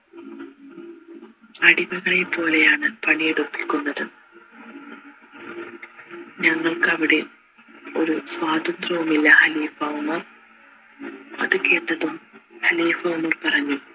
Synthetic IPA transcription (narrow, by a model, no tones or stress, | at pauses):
ɐɽibɐɣɐɭepːo̞ːle̞jaːɳɨpɐɳijeɽupːilkːuɳːɐðɨ | ɲɐŋːɐɭkɨɐʋiɽe̞ | o̞ɾuswaːd̪ɐnd̪rɐʋumilːɐhɐliːfɐwmɐr | ɐ̰ðɨke̞ːʈːɐðumhɐliːfɐwmɐrpɐrɐɲːu